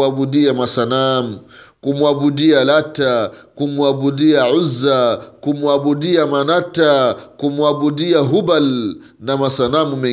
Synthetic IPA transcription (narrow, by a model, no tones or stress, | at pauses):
aɓuɗiamasanamukumwaɓuɗialatakumuaɓuɗiaʕuzakumuaɓuɗiamanatakumuaɓuɗiaɦubal | namasanamumɛ